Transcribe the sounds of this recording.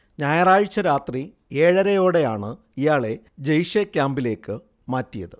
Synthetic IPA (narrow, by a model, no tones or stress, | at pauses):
ɲaːjɐraːɻt͡ɕːɐɾaːt̪ri | e̞ːɻɐɾɐjo̞ːɽe̞jaːɳɨ | ijaːɭe̞ | d͡ʑejʂekʲːaːmbile̞ːkːɨ | maːtːijɐðɨ